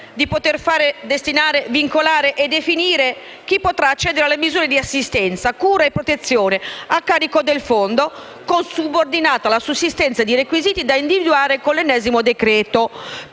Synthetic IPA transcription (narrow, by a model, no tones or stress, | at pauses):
d̪ipot̪erfaːɾed̪est̪inaːɾeviŋkolaːɾeʔed̪efiniːɾe | k̟ipːot̪ɾaːt͡ʃːɛːd̪eɾealːemizuːɾed̪iasːist̪ɛnt̪sakuːɾaepːɾot̪et̪sːjoːneakːaːɾikod̪elfond̪o | konsubord̪inaːt̪alasusːist̪ɛnt̪sad̪irekwiziːt̪id̪aind̪ivid̪uaːɾekonlenːɛːzimod̪ekɾɛːt̪o